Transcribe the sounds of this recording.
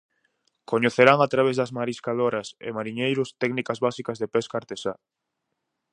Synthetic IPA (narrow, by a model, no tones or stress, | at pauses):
koɲeθeɾaŋat̪ɾaβ̞ezðɐzmaɾiskaðoɾɐsḛmaɾiɲejɾʊst̪ɛknikɐzβasikɐzðepɛskaɾt̪esa